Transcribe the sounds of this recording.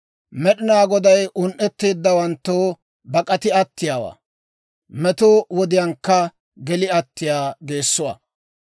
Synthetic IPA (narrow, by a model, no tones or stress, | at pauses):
mɛɗɪnaːɡɔd̪ɐjʔʊnʔɛt̪ːeːd̪ːɐwɐnt̪ːoː | bɐkʼɐt̪ɪɐt̪ːɪjaːwa̰ː | mɛt̪owɔd̪ɪjɐŋkːɐ | ɡɛlɪɐt̪ːɪjaːɡeːsːʊwa̰ː